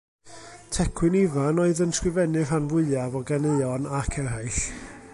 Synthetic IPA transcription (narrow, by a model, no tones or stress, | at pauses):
tʰɛkʰwɨnivanoɨðənskrɨvɛnɨr̥anvʊɨavɔɡaneɨɔnakʰɛrɦajɬ